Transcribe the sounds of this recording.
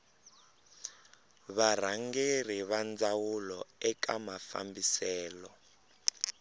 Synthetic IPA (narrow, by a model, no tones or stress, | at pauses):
βar̤aŋɡer̤iβand͡zawulɔɛkamafa̰mbisɛːlɔ